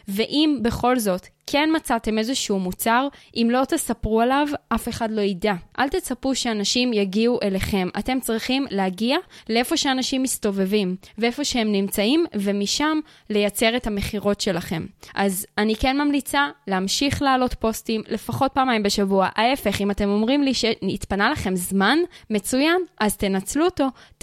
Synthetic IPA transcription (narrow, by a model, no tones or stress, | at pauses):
ve̞ʔimbe̞χo̞lzo̞tkʰe̞nmat͡sate̞me̞zeʃuumut͡saʁʔimlo̞tesapʁualavʔafe̞χadlo̞idaʔalt̪e̞t͡sapuʃeanaʃimjaɡiuʔe̞le̞χe̞ma̰te̞mt͡sʁiχimlehaɡialee̞fo̞ʃeanaʃimisto̞ve̞vimveefo̞ʃehe̞mnimt͡saimvemiʃam | le̞jat͡se̞ʁe̞thame̞χiʁo̞tʃe̞laχe̞mʔazanike̞nmamlit͡saleamʃiχleːlo̞tpo̞stimle̞faχo̞t̚paːmaimbeʃavuaʔae̞fe̞χimate̞mo̞mʁimliʃeitpanalaχe̞mzmanme̞t͡sujanʔazt̪enat͡sluoto̞